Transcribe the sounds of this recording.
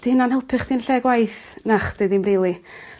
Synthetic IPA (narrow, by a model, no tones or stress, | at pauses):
d̥ɪnanɛlˠpʰɪχd̥inɬɛɡwajθnaχd̥ɨðinmrilˠi